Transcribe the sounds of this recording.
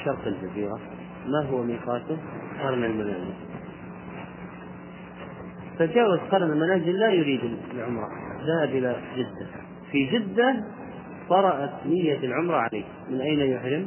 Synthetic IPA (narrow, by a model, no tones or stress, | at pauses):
ʃɑɾˤq̪ɪld͡ʒaziːɣa | maɦʊwmiːqɑːt̪ʊqɑɾˤnalmanaːzɪ̰l | fad͡ʒaːwazqɑɾˤnalmanaːzɪlːajʊɾiːd̪ɪlʕʊmɾˤɑ̰ðahabʔɪlad͡ʒɪd̪ːa | fid͡ʒɪd̪ːa | t̪ˤɑɾˤɑʔat̪nɪjːalʕʊmɾˤɑʕalaːk | mɪnʔajnajʊħɾɪm